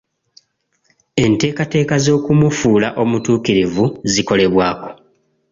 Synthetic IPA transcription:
e̞nte̞ːkate̞ːkazo̞ːkumufuːlaʔo̞mutuːkiɾivuziko̞le̞βwaːko̞̥

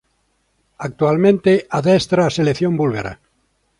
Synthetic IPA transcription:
ak̚t̪ualmẽnt̪eaðest̪ɾaːseleθjõmbulɣeɾa̰

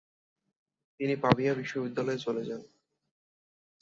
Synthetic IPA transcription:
t̪inipabijabiʃːobid̪ːalɔet͡ɕoled͡ʑan

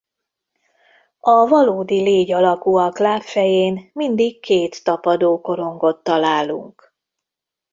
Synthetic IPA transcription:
ɒvɒloːd̪ileːɟɒlɒkuɒklaːpfɛjeːnmind̪ikkʰːeːt̪ːɒpɒd̪oːko̞ɾo̞ŋɡo̞t̪ːɒlaːlṵŋk

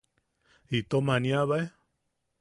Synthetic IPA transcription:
it̪omanĩaβae

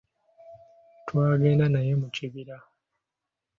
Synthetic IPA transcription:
twaːɡe̞ːndanaje̞muciβiɾa

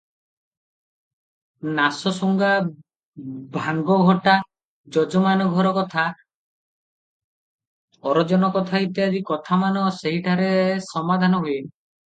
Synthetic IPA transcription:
nasɔsuŋɡa | bʱaŋɡɔɡʱɔʈa | d͡ʒɔd͡ʒɔmanɔɡʱɔɾɔkɔt̪ʰa | ɔɾɔd͡ʒɔnɔkɔt̪ʰait̪iad͡ʒikɔt̪ʰamanɔseɦiʈʰaɾesɔmad̪ʱanɔɦujen

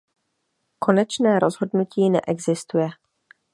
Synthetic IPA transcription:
ko̞nɛt͡ʃnɛːɾozɦo̞dnuciːnɛ̰ʔɛɡzɪst̪ujɛ

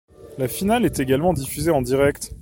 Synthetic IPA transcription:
lafinalɛt̪eɡalmɑ̃d̪ifyzeɑ̃d̪iʁɛkt̪

